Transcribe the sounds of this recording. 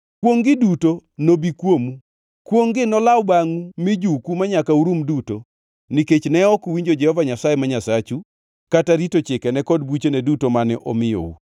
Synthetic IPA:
kwoŋɡɪdutonobikwomu | kwoŋɡɪnɔlawbaŋumɪd͡ʒukumaɲakauɾumduto | niket͡ʃnɛɔkwiɲd͡ʒod͡ʒɛhɔvaɲasajemaɲasat͡ʃu | kataɾitot͡ʃɪkɛnɛkɔd̚but͡ʃenɛdutomanɛʔɔ̰mɪjo̰ṵ

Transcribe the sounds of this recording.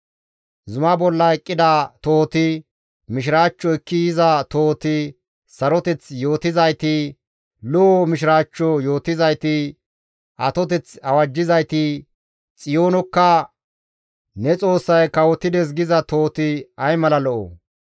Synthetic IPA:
zʊmɐbɔlːɐɛkʼːɪd̪ɐt̪oːt̪ɪ | mɪʃɪɾaːt͡ʃːɔɪkːɪjɪzɐt̪oːt̪ɪ | sɐɾɔt̪ɛt͡sjo̞ːt̪ɪzɐjt̪ɪ | lɔɔmɪʃ̬ɪɾaːt͡ʃːɔjoːt̪ɪzɐjt̪ɪ | ʔɐt̪ɔt̪ɛt͡sɐwɐd͡ʒːɪzɐjt̪ɪ | t͡sʼɪjo̞ːnɔkːɐ | nɛt͡sʼo̞ːsːɐjkɐwɔt̪ɪd̪ɛs̬ɡɪzɐt̪o̞ːt̪ɪɐjmɐlɐlɔʔɔ̰

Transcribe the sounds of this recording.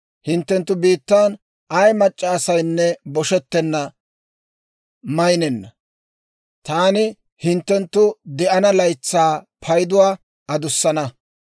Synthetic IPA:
hɪnt̪ːɛnt̪ːʊbiːt̪ːaːn | ʔɐjmɐt͡ʃʼːaːsɐjnːɛbɔʃɛt̪ːɛnːɐ | mɐjnɛnːɐ | t̪aːnɪ | hɪnt̪ːɛnt̪ːʊd̪ɛʔɐnɐlɐjt͡sːaː | pʰɐjd̪ʊwaː | ɐd̪ʊsːɐnɐ

